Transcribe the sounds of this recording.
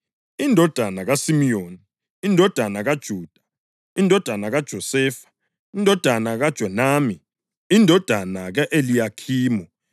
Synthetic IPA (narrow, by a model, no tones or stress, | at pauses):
indʱɔd̥ʱanaɣasimijoːniː | ndʱɔd̥ʱanaɣad̥ʒ̥ʱuːd̥ʱḁ | indʱɔd̥ʱanaɣad̥ʒ̥ʱɔsɛːfḁ | indʱɔd̥ʱanaɣad̥ʒ̥ʱɔnaːmi | indʱɔd̥ʱanaɣaʔelijakʰiːmɔ